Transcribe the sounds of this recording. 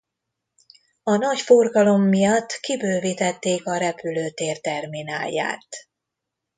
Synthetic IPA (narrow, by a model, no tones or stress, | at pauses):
ɒnɒcforɡɒlo̞mːijɒt̪ːkibøːvit̪ɛt̪ːeːkɒɾɛpyløːt̪eːrt̪ɛrminaːlja̰ːt̪